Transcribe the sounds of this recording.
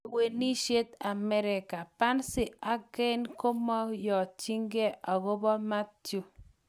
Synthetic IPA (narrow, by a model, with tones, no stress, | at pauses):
we˨ni˦ʃe˦t̪a˨mɛ˦ɾɪ˨ka˨pa˦nsɪ˦a˦ɡɛ˦nko˦mɔ˦jɔ˨t͡ʃi˦ŋɡe˦a˨ɣo˦bɔ˦ma˦ttju˦